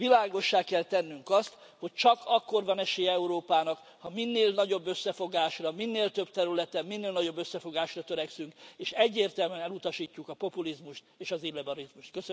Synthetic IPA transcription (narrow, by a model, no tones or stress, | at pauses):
vilaːɡo̞ʃːaːkɛlt̪ɛnːyŋkɒst̪ | ho̞ct͡ʃɒkɒkːo̞rvɒnɛʃeːjɛɛuɾoːpaːnɒk | hɒminːeːlnɒɟo̞bːø̞sːɛfo̞ɡaːʃrɒminːeːlt̪ø̞bt̪ɛɾylɛt̪ɛmminːeːlnɒɟo̞bːøsːɛfo̞ɡaːʃrɒt̪øɾɛksyŋkeːʃɛɟːeːrt̪ɛlmɛnɛlut̪ɒʃiːcːukɒpo̞pulizmuʃt̪eːʃɒzinlːɛbɒɾizmuʃt̪̚køsø